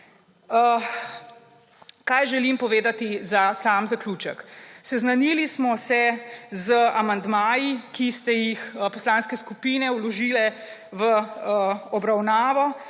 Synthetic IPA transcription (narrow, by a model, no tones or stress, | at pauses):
kajʒɛlimpɔʋeːd̪at̪izasaːmzaklʲuːt͡ʃəksɛznanilismɔsɛzəamand̪maːjikist̪ɛjixpɔslaːnskɛskupinɛwlɔʒiːlɛʋə | ɔbɾawnaːʋɔ